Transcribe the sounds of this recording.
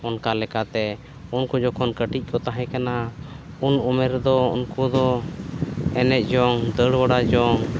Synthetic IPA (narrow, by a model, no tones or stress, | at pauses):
ɔnkalɛkat̪ɛ | unkud͡ʒɔkʰɔnkəʈic̚ˀkʰɔt̪aɦɛ̃kana | unumɛɾd̪ɔṵnkud̪ɔ | ɛnɛc̪̚ˀd͡ʒɔŋd̪əɽbaɽad͡ʒɔŋ